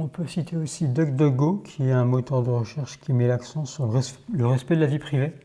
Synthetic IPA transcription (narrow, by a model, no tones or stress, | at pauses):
ɔ̃pøsit̪ʰeosid̪ɔkd̪ɔɡokʲʰiɛɛ̃mɔt̪œʁd̪əʁəʃɛʁʃkʲimɛlaksɑ̃syʁləʁləʁɛspɛd̪əlavipχive